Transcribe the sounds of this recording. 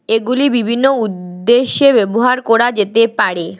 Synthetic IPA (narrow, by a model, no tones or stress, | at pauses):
eɡulibibʱinːoud̪ːeʃebeboɦaɾkoɽad͡ʑet̪epaɾe